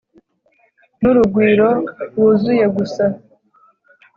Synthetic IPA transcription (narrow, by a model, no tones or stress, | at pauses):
nuɾuɡwiːɾo̞ɾwuzuje̞ɡusa